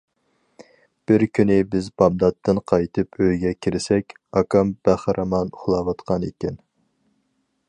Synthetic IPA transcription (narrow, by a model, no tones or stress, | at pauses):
b̥ɪɾkʲʰynɪbɪzbɑmd̪ɑt̪ʰːɨnqʰɑjt̪ʰɨpʰøjɡʲɛkʲʰiɾɪsɛkʲ | ɑkʰɑmb̥æχɾʔɑmɑnuχlˠɑːwɑt̪qʰɑnekʲɛn